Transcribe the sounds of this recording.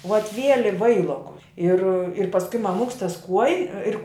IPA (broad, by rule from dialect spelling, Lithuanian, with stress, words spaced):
ʋɐt ˈʋʲiɛlʲɪ ˈʋɐɪlˠoːkʊs ɪr ɪr pɐsˈkʊɪ mɐˈmʊks tɐs kuɔjɪ ˈɪr